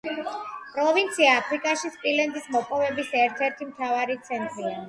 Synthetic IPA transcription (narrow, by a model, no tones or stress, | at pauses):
pʼɾɔvint̪sʰiaːpʰɾikʼaʃispʼilɛnd̪ismɔpʼɔvɛbisɛɾt̪ʰɛɾt̪ʰimt̪ʰavaɾit̪sʰɛnt̪ʼɾia